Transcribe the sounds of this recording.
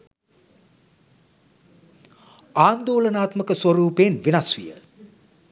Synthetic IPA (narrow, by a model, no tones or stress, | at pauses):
aːnd̪oːlənaːt̪məkəsʋɐɾuːpeːnʋinasʋḭjə̰